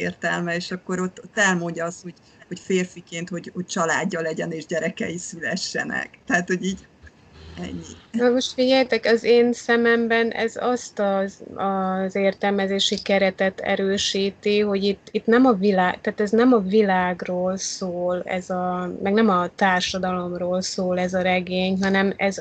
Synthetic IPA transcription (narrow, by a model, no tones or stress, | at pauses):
ḛːrt̪ɛlmɛeːʃɒkːo̞ɾo̞t̪ːot̪ːɛlmoɲɟɒɒsho̞ɟ̥ | ho̞cfeːrfikeːnt̪ho̞ɟho̞c̚t͡ʃɒlaːɟːɒlɛɟɛneːʒɟɛɾɛkɛ̰jisylɛʃːɛ̰nɛ̰kt̪ɛat̪ho̞ɟiːɟ | ɛ̰ɲːinomo̞ʃt̪fiɟɛjt̪ɛkɒzeːnsɛmɛmbɛnʔɛ̰zɒst̪ɒɒzeːrt̪ɛlmɛzeːʃikɛɾɛt̪ɛt̪ɛ̰ɾøːʃiːt̪iɦo̞ɟit̪ːit̪nɛmɒvilaːɡt̪aːt̪ɛznɛmɒvilaːɡroːlsoːlɛ̰zɒmɛɡnɛmɒt̪aːrʃɒd̪ɒlo̞mroːlsoːlɛzɒɾɛɡeːɲɦɒnɛmɛz